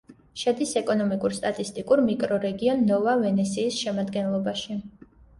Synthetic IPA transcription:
ʃɛd̪isɛkʼɔnɔmikʼuɾst̪ʼat̪ʼist̪ʼikʼuɾmikʼɾɔɾɛɡiɔnːɔvavɛnɛsiːsʃɛmad̪ɡɛnlˠɔbaʃi

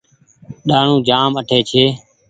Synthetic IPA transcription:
ɗaːɳũːd͡ʒaːməʈʰeːt͡ʃʰeː

